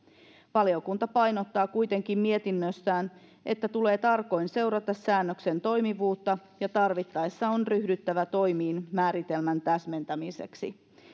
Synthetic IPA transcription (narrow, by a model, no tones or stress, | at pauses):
ʋɑljokunt̪ɑpɑjno̞t̪ːɑːkujt̪e̞ŋkimmie̞t̪inːøsːæːn | ʔe̞t̪ːæt̪ule̞ːt̪ɑrko̞jnse̞wɾɑt̪ɑsːæːnːøkse̞nt̪o̞jmiʋuːt̪ːɑjɑt̪ɑrʋit̪ːɑjsːɑonryhdyt̪ːæʋæt̪o̞jmiːnmæːɾit̪e̞lmænt̪æsme̞nt̪æmise̞̰ksḭ